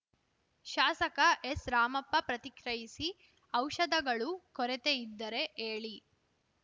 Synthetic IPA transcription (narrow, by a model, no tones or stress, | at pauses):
ʃaːsɐkɐʔesɾaːmɐpːɐpɾɐt̪ikɾɐjisi | ɐwʃɐd̪ɐɡɐɭukɔɾet̪eid̪ːɐɾe̞ʔeːɭi